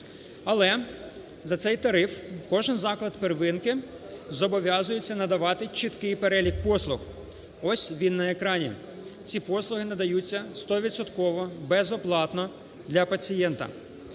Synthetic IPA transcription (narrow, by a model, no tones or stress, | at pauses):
ɐlˠɛ | zɐt̪sɛjt̪ɐɾɪfkɔʒɪnzɑklˠɐd̪perʋɪnkɪ | zɔbɔʋʲjɑzʊjet͡sʲːɐnɐd̪ɐʋɑt̪ɪt͡ʃɪt̪kɪjpeɾɛlʲik̚pɔslˠʊx | ɔsʲʋʲinːɐekɾɑnʲḭ | t͡sʲipɔslˠʊɦɪnɐd̪ɐjut͡sʲːɐst̪ɔʋʲid̪sɔt̪kɔʋɔbɛzɔplˠɑt̪nɔ | d̪lʲɐpɐt͡sʲijɛnt̪ɐ̰